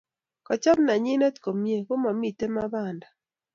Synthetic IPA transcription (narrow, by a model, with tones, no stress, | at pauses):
kɔ˨t͡ʃɔ˦mna˨ɲi˦nɛ˦tko˨mje˦ko˦ma˨mi˨te˦ma˦ba˦˨nda˨